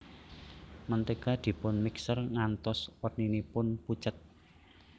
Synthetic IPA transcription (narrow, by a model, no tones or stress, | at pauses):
mənt̪ekad̪̥i̤pʊnmiksərŋant̪ɔswərninipʊnput͡ʃət̪̚